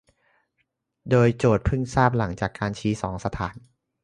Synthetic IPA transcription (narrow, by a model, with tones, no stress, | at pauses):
doː˧jt͡ɕoː˨˩t̪̚pʰɯ˥˩ŋsaː˥˩p̚la˩˦ŋt͡ɕaː˨˩kːaː˧nt͡ɕʰiː˦˥sɔː˩˦ŋsa˧t̪ʰaː˩˦n